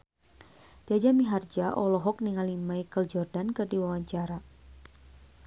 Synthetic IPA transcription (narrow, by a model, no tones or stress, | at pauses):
diad͡ʒamiɦard͡ʒaʔɔlɔɦɔk̚niŋalimajkəld͡ʒɔrdankɨrdiwawaɲt͡ʃaɾa